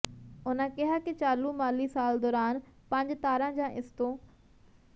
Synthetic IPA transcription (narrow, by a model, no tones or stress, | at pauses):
ʊnə̃kɪɦaket͡ɕaːlumaːlisaːld̪ɔːɾaːnpɐ̃ɲd͡ʑt̪aːɾãd͡ʑãːʔɪst̪o